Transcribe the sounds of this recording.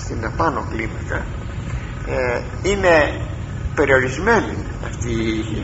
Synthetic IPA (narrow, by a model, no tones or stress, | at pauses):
t̪inepanoklimaka | e | ine | peɾjoɾizmenḭ | a̰st̪i